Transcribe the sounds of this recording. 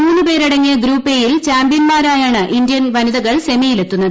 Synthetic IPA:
mːɐnːɨpe̞ːɾɐɽɐŋːijɐɡɾuːpːeːjilt͡ɕaːmbjɐnmaːɾaːjaːɳɨʔind̪jɐnʋɐniðɐɣɐɭse̞mɐjile̞t̪ːunːɐðɨ

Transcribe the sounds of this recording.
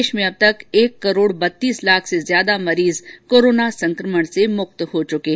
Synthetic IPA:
ʃmẽɐb̚t̪ɐkeːkːɐɾoːɽbɐt̪ːiːslaːkʰsezjaːd̪amɐɾiːzkoːɾoːnasɐ̃ŋkɾəməɳ̃semʊk̚t̪hot͡ʃʊkeː

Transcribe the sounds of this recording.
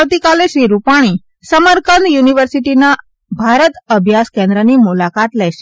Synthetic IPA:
ʋt̪ikaleʃɾiɾupaɽ̃i | səməɾkənjuniʋəɾsiʈina | bʱaɾət̪əbʱjaskẽnd̪ɾənimulakat̪lɛʃe̥

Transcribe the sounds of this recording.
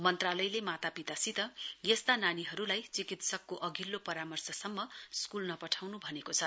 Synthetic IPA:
mʌnt̪ralʌjlemat̪apit̪asit̪ʌjest̪ananiɦʌɾulajt͡sikit̪sʌkːoʔʌɡilːopʌɾamʌrsʌsʌmːʌskulnʌpʌʈʰawnubʱʌnekot͡sʰʌ

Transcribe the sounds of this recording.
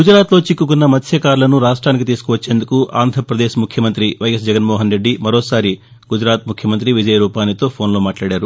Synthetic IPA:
ɡud͡ʒɾaːt̪lo̞ːt͡ʃikːukunːɐmɐt̪ʰjɐkaːɾlɐnuɾaːʂʈɾaːnik̬it̪iːsu̥kuʋɐt͡ʃːe̞ːnd̪ukuʔaːnd̪ʱɐɾɐpɾɐd̪eːʃmukʰjɐmɐnt̪ɾiʋɐjes̬d͡ʒɛɡɐnmɔːɦɐnɾe̞ɖːimɐɾoːsaːɾi | ɡud͡ʒɾaːt̪̚mukʰjɐmɐnt̪ɾiʋid͡ʒɐjɐɾuːpaːnit̪o̞ːpʰo̞ːnlo̞ːmaːʈlaːɽaːɾu

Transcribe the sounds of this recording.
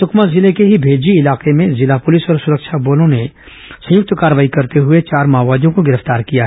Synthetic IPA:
sʊkʰmazɪlekeɦibʱeːd͡ʒiɪlaːqemẽzɪlapʊlɪsɔːɾsʊɾəkʃʰaboːlõne | sɐ̃jʊk̚t̪kaːɾəʋaːikɐɾt̪eɦʊet͡ʃaːɾmaːʋaːd̪jõkoɡɪɾəft̪aːɾkijaɦɛ

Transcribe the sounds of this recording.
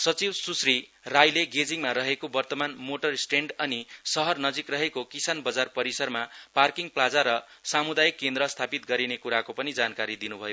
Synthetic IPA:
sʌt͡sibsusri | rajleɡed͡ziŋmaɾʌɦekobʌrt̪ʌmanmoʈʌrsʈeɳɖʌnisʌɦʌrnʌd͡zikrʌɦekokisanbʌd͡zarpʌɾisʌrmaparkiŋplad͡zaɾʌ | samud̪ajikːend̪ɾʌst̪ʰapit̪̚ɡʌɾinekuɾakopʌnid͡zankaɾid̪inubʱʌjo

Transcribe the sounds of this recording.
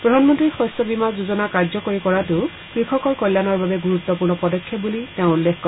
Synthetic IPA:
pɹɔdʱanmɔntɹixɔsɔbimazuzɔnakaɹzɔkoɹikɔɹatʊ | kɹikʰɔkɔɹkɔjlːanɔɹbabɛɡuɹut̪ːɔpuɹnɔpɔdɔkʰːɔp̚buliteʊ̃ulːexkɔ

